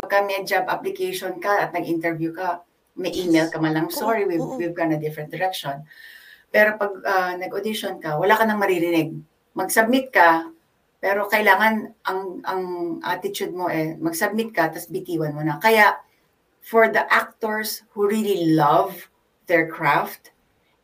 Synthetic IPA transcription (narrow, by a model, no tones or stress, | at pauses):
bɐɡ̚kɐmɛd͡ʒabʔɐ̰plɪkejʃonkɐʔɐt̪̚nɐɡʔɪnt̪ɛɹvjukɐ | mɐjʔiːmejlkɐmɐlɐŋsoɹiwiwivɡanɐd̪ɪfɾɛn̚d̪ɛɾɛk̚ʃonpɛɾo̞pɐɡ̚ɐnɐɡʔod̪ɪʃonkɐwɐlaːkɐnɐŋmɐɾiɾɪnɪɡ̚ | mɐɡsɐb̚mɪt̪̚kɐ | pɛːɾo̞kɐʔɪlaːŋɐnʔɐŋɐŋʔɐ̰t̪ɪt͡ʃud̪̚moʔɛmɐɡsɐb̚mɪt̪̚kɐt̪ɐsbɪt̪iːwɐnmonɐkɐjaʔ | fɔɹd̪ɐʔak̚t̪oɹshuɹililɐv | d̪ɛɹkɹaft̪̚